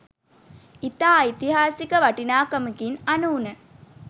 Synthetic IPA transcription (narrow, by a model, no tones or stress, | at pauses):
it̪aːit̪iɦaːsikəʋaʈinaːkɐməkinanuːnə